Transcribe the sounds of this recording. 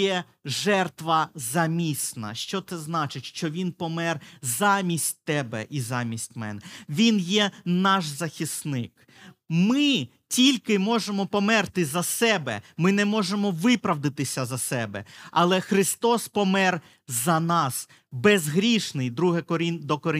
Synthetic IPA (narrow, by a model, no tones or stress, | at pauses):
jɛ | ʒɛrt̪ʋɐzɐmʲisnɐ̰ʃt͡ʃɔt̪sɛznɑt͡ʃɪtʲʃt͡ʃɔʋʲinpɔmɛrzɑmʲisʲtʲt̪ɛbɛ̰ʔizɑmʲisʲtʲmɛ̰nʋʲinjɛnɑʃzɐxʲisnɪk | mɪ | tʲilʲkɪmɔʒemɔpɔmɛrt̪ɪzɐsɛbɛ̰mɪnɛmɔʒemɔʋɪpɾɐʋd̪ɪt̪ɪsʲɐzɐsɛbɛ̰ɐlˠɛxɾɪst̪ɔspɔmɛr | zɐnɑs | bɛzɦɾʲiʃnɪjd̪ɾuɦɛkɔɾʲind̪ɔkɔɾɪ